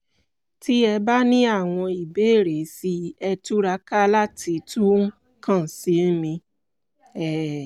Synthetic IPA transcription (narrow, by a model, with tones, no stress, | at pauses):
ti˦ɛ˧ba˦nĩ˦a˦˨w̃ɔ̃˧i˨be˨˦e˦˨ɾe˨˦si˧ɛ˧tu˦ɾa˧˦ka˦la˦ti˨˦tu˦ | kʰã˦˨si˨˦mĩ˧ | ɛ˦˨